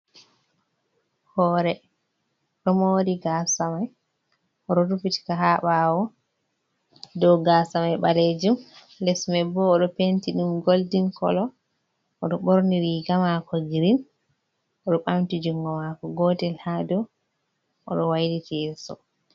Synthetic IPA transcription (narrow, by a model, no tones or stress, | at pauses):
hɔːɾɛ | ɗɔmowɾiɡasamaj | ɔɗɔdufiti̥kaɦaɓawɔ | dɔwɡasamajɓaled͡ʒum | lɛsmɛbɔːɗɔpentiɗumɡoldiŋkɔ̰lɔ | ɔɗɔɓoɾniɾiɡamakɔɡiɾin | ɔɗɔɓamtid͡ʒuŋɡɔmakɔɡɔtɛlhadɔ | ʔɔ̰ɗɔwajditɛsɔ̰